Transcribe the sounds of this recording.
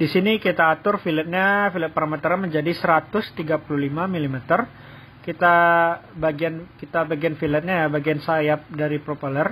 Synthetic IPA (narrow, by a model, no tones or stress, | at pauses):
disinikit̪aːt̪ʊrfilɛt̪̚ɲafilɛt̪̚paɾamɛt̪əɾaməɲd͡ʒadisəɾat̪ʊst̪iɡapululimamilimɛt̪ər | kit̪abaɡiankit̪abaɡianfilɛt̪̚ɲajabaɡiansajap̚daɾipɾopalər